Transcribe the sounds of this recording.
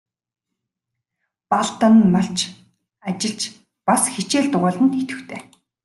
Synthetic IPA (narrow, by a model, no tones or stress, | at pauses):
paɮt̪ə̆nmaɬt͡ɕʰ | at͡ɕɪ̆ɮt͡ɕ | pasxit͡ɕeːɮt̪ʊʁʊːɮə̆nt̪et̪ɘ̆xt̪ʰeː